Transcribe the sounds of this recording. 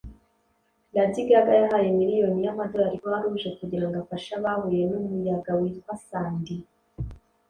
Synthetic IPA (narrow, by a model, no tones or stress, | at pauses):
nadiɡaɡajaɦajemiɾijo̞nijamado̞jaɾikoaɾuʒe̞kuɟiɾaŋɡafaʃaβahujenumujaɡawitwasaːndi